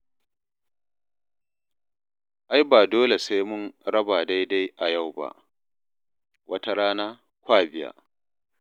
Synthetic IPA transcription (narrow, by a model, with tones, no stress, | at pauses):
ʔa˦jbaː˨doː˦le˨sa˦jmʊ˦nɾɐ˦baː˨da˦jda˦jʔa˨ja˦˨wba̰˦ʔ | wʔɐ˦ta˦ɽaː˦naː˦ | kʷaː˦˨bɪ˦ja̰ː˨